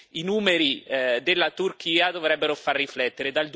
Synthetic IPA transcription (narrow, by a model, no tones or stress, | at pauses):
inuːmeɾid̪elːat̪urk̟iːad̪ovɾɛbːeɾofarːiflɛt̪ːeɾed̪ald̪